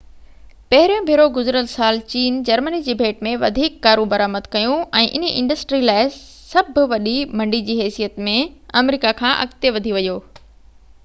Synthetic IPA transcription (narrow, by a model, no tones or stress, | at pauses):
pɐɦɪɾijõbʱɪɾoɡʊzɾəlsaːlt͡ɕiːnd͡ʑɐɾmənid͡ʑeːbʱeːʈmẽʋɐ̰d̪ʱiːkːaːɾũbɐɾaːməd̪kɐjũɛ̃ːʔɪnəʔɪ̰̃ɳɖəsʈɾilaːɪ | sɐbʱʊʋɐɗimɐ̃ɳɖid͡ʑiːɦɛːsijət̪mẽɐmɾiːkakʰãːʔɐ̰kt̪eʋɐd̪ʱiʋɐjoː